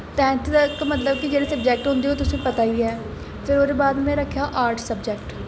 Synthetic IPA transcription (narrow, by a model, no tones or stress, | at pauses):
t̪ɛ̃ːnt̪kmət̪ləb̚kid͡ʒeːɽeːsəbd͡ʒɛːk̚ʈɦʊ̃nd̪eɦoːt̪ʊsĩːpət̪aːiiːɛː | pʰɪɾoːd̪eːbaːd̪mɛ̃ːɾəkʰːjaːʔaːɾʈʰsəbd͡ʒɛːkʈ